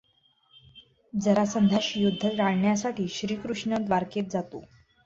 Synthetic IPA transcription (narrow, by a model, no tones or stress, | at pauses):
d͡zəɾasənd̪ʱaɕjud̪ʱːəɾaɽɳjasaʈiːɕɾiːkɾuʂɳəd̪ʋaɾket̪̚d͡zat̪o